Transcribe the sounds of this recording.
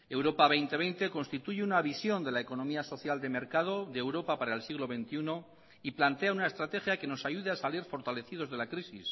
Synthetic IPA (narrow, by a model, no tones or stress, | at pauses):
e̞wɾo̞paβ̞e̞jnt̪e̞βe̞jnt̪e̞ko̞nst̪it̪uʝeunaβisjo̞nd̪e̞laeko̞nõ̞miaso̞θjald̪e̞me̞ɾkað̞o̞ðeewɾo̞papaɾaelsiɣlo̞βe̞nt̪iuno | iplant̪eaunaest̪ɾat̪e̞xjake̞no̞saʝuðeasaliɾfo̞ɾt̪ale̞θið̞o̞zð̞e̞lakɾisis